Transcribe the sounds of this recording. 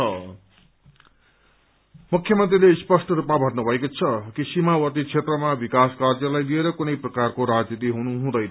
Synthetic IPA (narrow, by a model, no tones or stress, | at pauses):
ʌ | mukʰːjʌmʌnt̪rilespʌsʈʌɾupmabʱʌrnubʱʌekot͡sʰʌkisimawʌt̪it͡sʰet̪rʌmabikaskard͡zjʌlajlieɾʌkunʌjprʌkarkoɾad͡znit̪̬iɦunuɦũd̪ʌjnʌ